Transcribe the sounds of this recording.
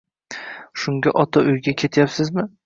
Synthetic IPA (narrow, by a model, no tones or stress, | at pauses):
ʃʊŋɡʲaʔɒt̪ʰaʔʊjɡʲakʲʰe̞t̪ʰjapsɪzmɪ